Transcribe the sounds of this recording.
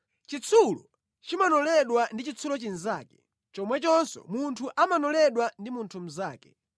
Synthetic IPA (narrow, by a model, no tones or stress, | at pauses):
t͡ʃit͡sʰulɔ̰ | t͡ʃimanɔlɛɗwandit͡ʃit͡sʰulɔt͡ʃin̩za̰ːkɛ̥ | t͡ʃɔmwɛt͡ʃɔnsɔ̰muntʰuʔamanɔlɛɗwandimuntʰum̩zaːkɛ